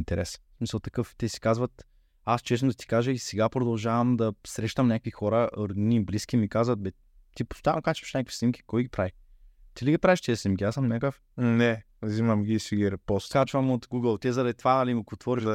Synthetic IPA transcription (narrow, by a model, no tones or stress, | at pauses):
nt̪ɛɾɛssmisəlˠt̪ɐ̥kɤft̪ɛsi̥kazvɐt̪ | ast͡ʃɛsnʊd̪ɐt̪i̥kaʒɛisɛɡapɾod̪ɐlˠʒavɐmd̪ɐsɾɛʃt̪ɐmnʲakvixɔɾəɾd̪nʲibliskʲimikazvɐt̪̚bɛ | t̪ipo̥st̪anokat͡ʃɛ̥ʃnʲakəkfvi̥snʲimkʲi̥kɔjɡʲipɾavi | t̪iliɡɐpɾaviʃt̪izɛsnʲimkʲiasəmnʲakəf | nɛ | zimɐmɡʲisiɡɛɾpɔskat͡ʃvəmot̪ɡuɡəlˠt̪ʲiɛzɐd̪ɐd̪it̪vanɐlimkt̪vɔɾiʒɐ